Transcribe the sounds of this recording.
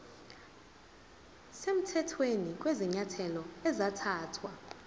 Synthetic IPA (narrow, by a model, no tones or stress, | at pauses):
sem̩tʰɛtʰwenik̬ʼwezɛɲatʰɛlɔɛzatʰaːtʰwa